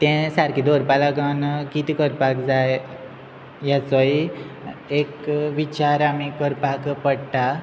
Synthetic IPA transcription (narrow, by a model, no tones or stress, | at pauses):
t̪ɛ̃saɾkid̪oɾpalakənkit̪ikəɾpakd͡zaj | jat͡sɔj | ekʋit͡ɕaɾamikəɾpakpəɽʈa